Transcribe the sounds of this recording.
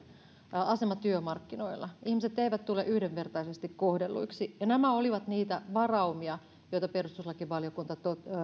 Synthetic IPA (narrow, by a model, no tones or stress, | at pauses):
ɑsemɑt̪yømɑrkːinoilːˑɑihmiset̪ːeiʋæt̪t̪ulːeʔyhdeʋʋe̞rt̪ɑisest̪ikkohdelːṵiksijɑnæmæoliʋɑt̪niːt̪æʋɑrɑumiɑ | joit̪ɑperust̪uslɑkiʋʋɑljokunt̪ɑt̪o